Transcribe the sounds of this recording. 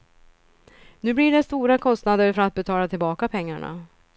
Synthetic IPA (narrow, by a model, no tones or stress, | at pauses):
nʉ̟ːblɪɖɛst̪uːɾakʰɔst̪nad̪əɾfœɾat̪̚bɛt̪ʰɑːlat̪ʰɪlbɑːkapʰɛŋːa̰ɳa̰